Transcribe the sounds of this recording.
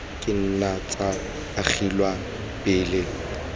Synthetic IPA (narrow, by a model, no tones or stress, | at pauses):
kʼɪn̩nat͡sʼaː | χilwa | pʼɪːlɪ